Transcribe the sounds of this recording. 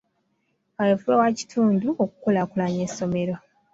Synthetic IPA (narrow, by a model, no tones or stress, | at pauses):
ajefuewaci̥tʰuːnduoku̥kolakulaɲeso̞me̞ɾa